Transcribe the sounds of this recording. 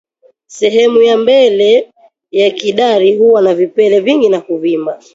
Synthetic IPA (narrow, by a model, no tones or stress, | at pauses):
sɛɦɛmujambɛlɛ | jakiɗaɾihuwanavipɛlɛviŋɡinakuvima